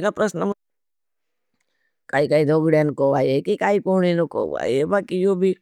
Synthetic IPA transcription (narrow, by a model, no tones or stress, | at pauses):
kapɾəsnəm | kaːikaːid̪ʱoːɡiɽenkoʋaːjekikaːikoɳ̃inoko̰ʋa̰ːjebaːkijoːbʱi